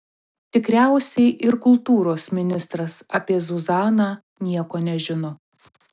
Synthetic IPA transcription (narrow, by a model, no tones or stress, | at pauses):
t̪ʲɪkɾʲæˑʊsʲɛɪʔɪɾkʊlˠt̪uːɾoːsmʲɪnʲɪst̪ɾɐsɐpʲiɛzʊzɑːnɑː | nʲiɛkoːnʲɛʒʲɪnɔ